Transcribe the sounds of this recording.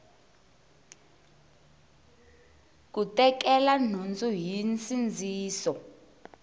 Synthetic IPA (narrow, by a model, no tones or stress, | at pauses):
k̬utɛkɛlan̤und͡zʱujint͡sind͡zʱiːsɔ